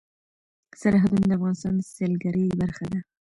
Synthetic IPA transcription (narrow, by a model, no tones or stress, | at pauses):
saɾɦad̪und̪əafɣɑnɪst̪ɑnselɡaɾibaɾxad̪a